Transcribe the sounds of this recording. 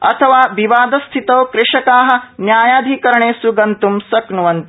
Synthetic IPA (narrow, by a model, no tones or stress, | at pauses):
ɐ̰t̪ʰɐʋaːʋiʋaːd̪ɐst̪ʰit̪ɐːkɾɪʂɐkaːɦɐ̆njaːjaːd̪ʱikɐɾɐɳeːsuɡɐnt̪umsɐknuʋɐnt̪i